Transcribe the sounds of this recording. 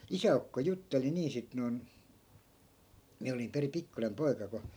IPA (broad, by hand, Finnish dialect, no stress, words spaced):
isæukːo jutːeli niː sit non miæ olim peri pikːunem poi̯kɑ ko